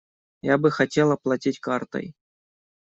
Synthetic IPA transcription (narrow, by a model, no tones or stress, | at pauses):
jabɨxatʲelˠaplˠatʲitʲkart̪ɤ̰j